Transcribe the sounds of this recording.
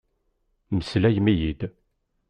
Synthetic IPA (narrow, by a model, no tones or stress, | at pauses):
məslæjmijid̪